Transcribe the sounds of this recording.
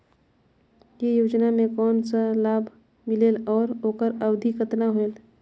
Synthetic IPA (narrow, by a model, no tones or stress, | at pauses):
jejoːd͡ʒnamẽkɔːnsalaːbʱ | mɪleːlɔːɾoːkəɾəwd̪ʱikət̪naɦoel